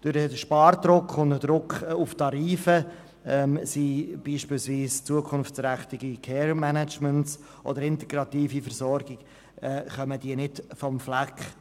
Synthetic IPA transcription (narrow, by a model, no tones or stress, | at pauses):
d̥ʊɾəʃpɑːɾd̪ɾʊkχʊndəd̪ɾʊkχʊftɑɾiːfə | ɛmsib̥iːʃpɪːlsviːst͡suəkʰʊnftt͡sɾæχt̪ɪɡikʰɛːɾmænæt͡ʃmənts | ʔɔ̰dəɾɪnt̪ɛɡ̥ɾɑt̪iːfifəɾsɔɾɡ̥ɪɡ | ɛχœməd̥iːənɪdfɔmflækχ